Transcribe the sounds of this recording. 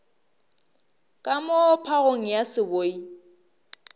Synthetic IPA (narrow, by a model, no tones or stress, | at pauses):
kʼamopʰaɣoŋ̩jasɪboi